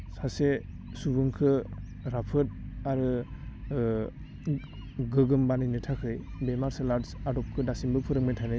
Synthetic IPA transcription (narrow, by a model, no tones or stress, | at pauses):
sase | subɯŋkʰɯ | ɾapʰɯt̚aɾɯ | ɡɯɡɯmbanijnɯtʰakʰɯj | bemaɾselaɾsadɔp̚kʰɯdasimbɯpʰɯɾɯŋmajtʰanɯ